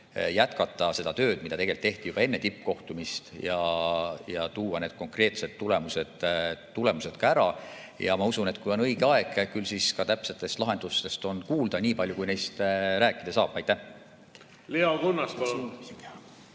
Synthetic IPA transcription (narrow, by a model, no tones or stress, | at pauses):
jæt̪kɑt̪ːˑɑse̞d̪ɑt̪ø̞ːd̪̥̚mid̪ɑt̪e̞ɡelt̪ːe̞ht̪ijub̥ɑe̞nːe̞t̪ipːˑko̞ht̪umist̪jɑjɑt̪uːwɑne̞ːd̪̥̚ko̞ŋkre̞ːt̪sed̪t̪ːule̞muse̥t̪ːule̞muse̞d̪̥kɑæɾɑ | jɑmɑusune̞t̪kujo̞nɤjɡ̥eɑe̞ɡ̥kylsiskɑt̪æpse̞t̪ːˑe̞st̪lɑɦe̞nd̪̥ust̪e̞st̪o̞nkuːld̪̥ɑniːpɑlʲjukujnejst̪ɾæːkːˑid̪ɑsɑ̰ːb̥ɑjt̪ːæh | leokonːɑspɑon